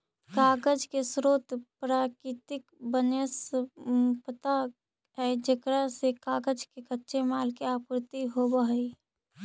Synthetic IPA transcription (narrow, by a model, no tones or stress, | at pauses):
kaːɡəd͡ʒkesɾoːt̪pɾaːkɪt̪ɪkbənes | pət̪a | ɦɛd͡ʒəkɾasekaːɡəd͡ʒkekətːʃemaːlkeaːpɾɪt̪iɦobaɦəi